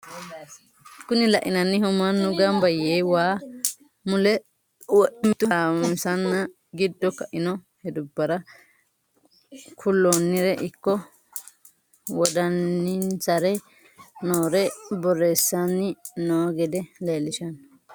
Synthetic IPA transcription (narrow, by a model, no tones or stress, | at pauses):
kːʊnɪlɐ̰ʔɪnɐnːɪhʊmɐnːʊɡɐmbɐjeːwaː | mʊlɛ | wɔʔɪmɪt̪ʊɐɾamsɐnːɐ | ɡɪd̪ːɔkɐʔɪnɔhɛd̪ʊbːɐɾɐ | kʰʊlːonːɪɾɛʔɪkːɔ | wɔd̪ɐnːɪnt͡sɐɾɛ | noːɾɛbɔrːe̞ːsːɐnːɪnoːɡɛd̪ɛleːlːɪʃɐn